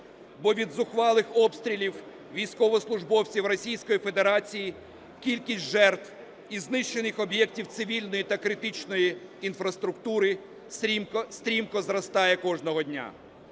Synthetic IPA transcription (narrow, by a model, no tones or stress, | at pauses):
bɔʋʲid̪zʊxʋɑlˠɪxɔpst̪ɾʲilʲiw | ʋʲijsʲkɔʋɔslˠʊʐbɔw̪t͡sʲiwrɔsʲijsʲkɔjifed̪eɾɑt͡sʲiji | kʲilʲkʲisʲtʲʒɛrt̪w | iznɪʃt͡ʃenɪxɔbjɛktʲiwt̪sɪʋʲilʲnɔjit̪ɐkɾɪt̪ɪt͡ʃnɔjiːnfɾɐst̪ɾʊkt̪uɾɪ | st̪ɾʲimkɔzɾɐst̪ɑjɛkɔʒnɔɦɔdʲnʲa̰